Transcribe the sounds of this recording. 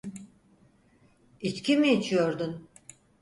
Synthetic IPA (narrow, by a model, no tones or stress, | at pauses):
it͡ʃcʲimiit͡ʃʰijo̞ɾd̪un